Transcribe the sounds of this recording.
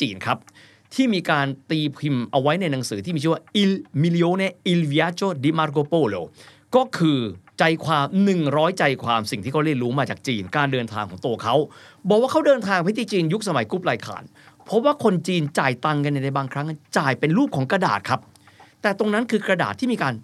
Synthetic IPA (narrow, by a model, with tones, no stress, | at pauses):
t͡ɕiː˧nkʰa˦˥p̚ | t̪ʰiː˥˩miː˧kaː˧nt̪iː˧pʰi˧mʔa˧wa˦˥jna˧jna˩˨˦ŋsɯː˩˦t̪ʰiː˥˩i˧˥˩aː˥˩ʔi˧lmi˧li˧ʔoː˧˥ni˦˥ʔi˧lwi˧aː˦˥t͡ɕoː˥˩diː˧˥maː˦˥ɾkoː˧poː˧˩loː˧˩ | kɔː˥˩kʰɯː˧t͡ɕa˧jkʰwaː˧mnɯ˨˩ŋɾɔː˦˥jt͡ɕa˧jkʰwaː˧msi˨˩ŋt̪ʰiː˥˩kʰa˦˥˩ɾi˥˩ənɾuː˦˥maː˧t͡ɕaː˨˩k̚t͡ɕiː˧nkaː˧ndɤː˧nt̪ʰaː˧ŋkʰɔː˩˦t̪u˧ɐkʰa˦˥wbɔː˨˩k̚waː˥˩kʰa˦˥wdɤː˧nt̪ʰaː˧ŋpʰa˧˥jt̪ʰiː˧˥˩t͡ɕiː˧nju˦˥k̚sa˧ma˨˩˦jku˦˥p̚laː˧jkʰa̰ː˩˦n | pʰɔ˦˥waː˥˩kʰo˧nt͡ɕiː˧nt͡ɕaː˨˩jt̪a˧ŋk̬a˧na˧˩na˧jbaː˧ŋkʰɾa˦˥ŋʔa˧˩nt͡ɕaː˨˩jpe˧nɾuː˥˩p̚kʰɔː˩˦ŋkɾa˧da̰ː˨˩t̪̚kʰa˦˥p̚ | t̪ɛː˨˩t̪o˧ŋna˦˥nkʰɯː˧kɾa˧da̰ː˨˩t̪ʰːiː˥˩miː˧kaː˧n